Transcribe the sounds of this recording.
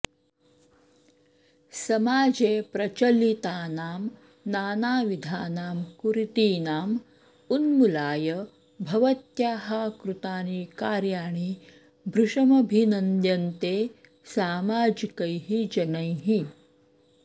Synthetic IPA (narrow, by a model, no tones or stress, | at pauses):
sɐmaːd͡ʒeːpɾɐt͡ʃɐlit̪aːnaːm | naːnaːʋid̪ʱaːnaːmkuɾit̪iːnaːm | unmulaːjɐ | bʱɐʋɐt̪jaːɦaːkɾut̪aːniːkaːɾjaːɳi | bʱɾuʂɐmɐbʱinɐnd̪jɐnt̪eː | saːmaːd͡ʒikɐjɦid͡ʒɐnɐjɦi